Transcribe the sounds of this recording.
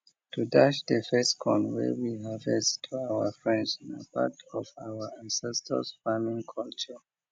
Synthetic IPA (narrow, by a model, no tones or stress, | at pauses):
tudaʃdəfɛskʰɔ̃nwɛ̰wiɦavɛstʰuawəfɹɛ̃ndsɔ̃nə̰pʰa̰tʰɔvawəãnsɛstʰə̰sfamĩŋkʰɔlt͡ʃə